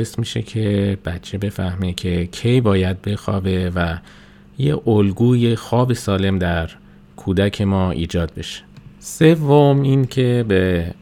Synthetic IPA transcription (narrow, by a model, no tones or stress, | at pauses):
esmiːʃe̞̰cʰe̞b̥æt̪t͡ʃʰe̞be̞fæhmecʰe̞cʰejbɒːjæd̪̚be̞xɒːbe̞væ | jḛʔolɡuːje̞xɒːbe̞sɒːle̞md̪æɾ | kʰuːd̪æcʰe̞mɒːʔḭːd͡ʒɒːd̪̚be̞ʃe̥se̞vːomincʰebe